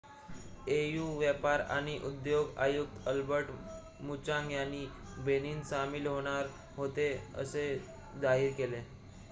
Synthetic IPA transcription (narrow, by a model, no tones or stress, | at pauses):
ejuʋjəpaɾa̰ɽ̃iʔud̪joɡajuk̚t̪əlbəɾʈ | mut͡ɕãŋɡjani | beniːnsamilɦoɽ̃aɾ | ɦot̪eə̰se | d͡zaɦiɾkele